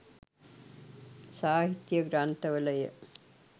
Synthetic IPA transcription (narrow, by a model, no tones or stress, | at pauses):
saːɦit̪jɐɡɾaːnt̪ɐʋɐlɐjɐ̰